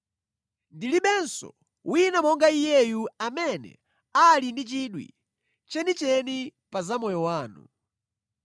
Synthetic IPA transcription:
ndiliɓɛnsɔ̰ | wʔinamɔŋɡaijɛjuamɛnɛ̰ | alindit͡ʃiɗwḭ | t͡ʃɛnit͡ʃɛnipazamɔjɔwaːnṵ

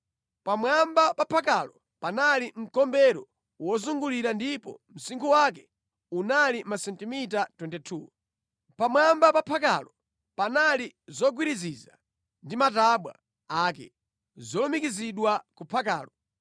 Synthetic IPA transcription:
pamwambapapʰakalɔ | panalim̩kɔmbɛɾɔ | wɔzuŋɡuliɾandipɔ̰m̩siŋkʰuwak̬ɛ̥ | unalimasɛntimitatwɛntɛtʰuː | pamwambapapʰaka̰lɔ | panalizɔɡwiɾiziza̰ | ndimataɓwa̰ | aːkɛ̰ | zɔlɔmikiziɗwakupʰaka̰ːlɔ

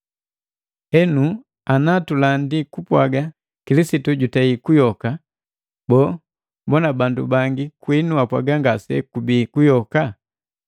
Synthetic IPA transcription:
hɛnu | anatulandikupwaɡa | kilisituɟutaikujɔka | bɔ | mbɔnabandubaŋɡikwinuapwa̰ɡaŋɡasɛ̰kubikujɔka

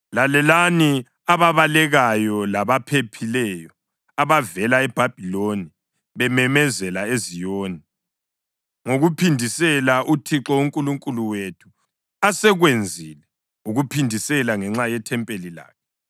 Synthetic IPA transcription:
lalɛlani | aβaβalɛɣajɔlaβapʰepʰilɛjɔ | aβavɛlaɛb̥ʱab̥ʱiloni | βɛmɛmɛzɛlaezijoːni | ŋoɣupʰindʱisɛlaʔutʰiǁɔuŋkʼuluŋkʼuluwetʰu̥ | asɛɣwend͡zʱilɛ | uɣupʰindʱisɛlaŋɛŋ͡ǁajɛtʰɛmpʼelila̰ːkʰɛ

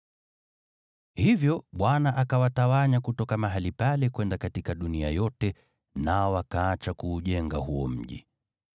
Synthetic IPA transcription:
hivjɔɓwanaʔakawatawaɲakutɔkamaɦalipalɛkwɛndakatikaɗunia̰jɔtɛ | naɔwakaːt͡ʃakuːʄɛŋɡa̰huɔ̰m̩ʄḭ

